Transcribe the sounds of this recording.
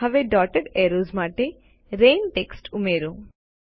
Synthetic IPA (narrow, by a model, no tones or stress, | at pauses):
aʋeɖɔʈeɖɛɾozmaʈe | ɾenʈeksʈumeɾu